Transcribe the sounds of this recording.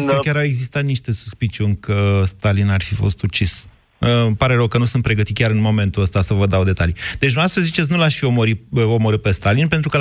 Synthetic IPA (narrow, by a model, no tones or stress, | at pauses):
skəkʲaɾawe̞ɡzist̪at̪niʃt̪e̞su̥spit͡ʃʲunʲkʰəst̪alinarfifo̞̰st̪ut͡ʃis | əpaɾe̞ɾəwkənusunt̪pɾe̞ɡət̪it̪̚kʲaɾɨnmo̞mẽ̞nt̪uəst̪asəvəd̪awd̪e̞t̪alid̪̥et͡ʃnast̪ɾəzit͡ʃe̞t̪s̬nulaʃfiomoɾiəo̞moɾɨt̪̚pe̞st̪alinpe̞nt̪ɾukə